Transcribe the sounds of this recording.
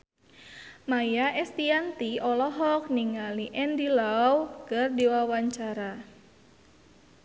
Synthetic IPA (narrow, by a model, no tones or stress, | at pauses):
majaʔɛst̪iant̪iɔlɔɦɔk̚niŋaliʔɛndilawkərdiwawaɲt͡ʃaɾa